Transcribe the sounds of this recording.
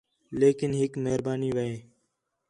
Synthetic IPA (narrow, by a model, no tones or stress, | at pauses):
leːkɪnɦɪkmeɦəɾbaːniːʋəeː